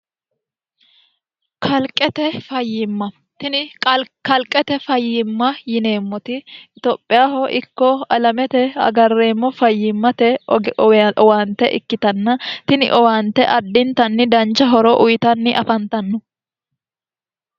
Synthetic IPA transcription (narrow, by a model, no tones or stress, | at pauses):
kʰɐlkʼːɛt̪ɛfɐjːɪmːɐ | t̪ɪnɪkɐlkʼɛt̪ɛfɐjːɪmːɐjɪne̞ːmːɔt̪ɪɪt̪oːpʼːɪjaːhɔʔɪkːɔɐlɐmɛt̪ɛɐ̰ɡɐrːe̞ːmːɔfɐjːɪmːɐt̪ɛ | waːnt̪ːɛʔɪ̰kːɪt̪ɐnːɐt̪ɪnɪ̰ʔɔwaːnt̪ːɛʔɐdːɪnt̪ɐnːɪd̪ɐnt͡ʃːɐɦɔɾɔʔʊjɪt̪ɐnːɪʔɐfɐnt̪ɐnːɔ